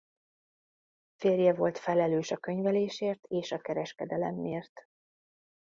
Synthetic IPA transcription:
feːrjɛvo̞lt̪fɛlɛløːʃɒkø̞ɲvɛleːʃeːrt̪eːʃɒkɛɾɛʃkɛd̪ɛlɛ̰mːeːrt̪

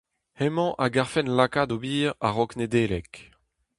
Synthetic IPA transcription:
hɛmɑ̃ʔaɡaʁfɛnlakad̪obiːʁa̰ʁɔkned̪eːlɛk

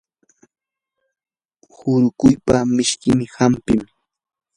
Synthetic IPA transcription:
hʊɾʊkʊjpamɪʃkɪmɪhampɪm

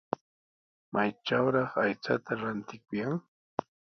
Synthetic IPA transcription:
mʔajʈ͡ʂawɾɑχajt͡sat̪aɾant̪ɪkʊjaŋ

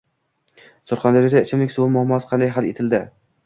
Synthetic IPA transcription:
sʊɾχɑnd̪ɒɾid̪aɪt͡ʃʰɪmlɪkʲsʊwʊmʊhmɒsqʰɑnd̪ajɦalet̪ʰɪld̪ɪ

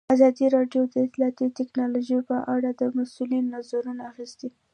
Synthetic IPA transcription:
azɑd̪iɾɑɖjod̪əɪt̪lɑt̪it̪ɪknɑloʒejpəʔaɽad̪əmasulinːazaɾunaaxist̪i

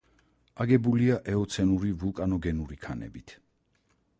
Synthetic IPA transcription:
aɡɛbuliaʔɛɔt̪sʰɛnuɾivulˠkʼanɔɡɛnuɾikʰanɛ̰bit̪ʰ

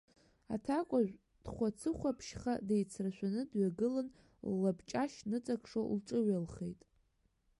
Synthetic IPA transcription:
atʰakʷʼaʒʷ | d̥χʷat͡sʰɨχʷapʰʃχadejt͡sʰraʃʷᶣanɨdɥaɡɨlan | lːabt͡ʃʼaʃnɨt͡sʼakʰʂolʈ͡ʂʼɨɥalχejtʼ

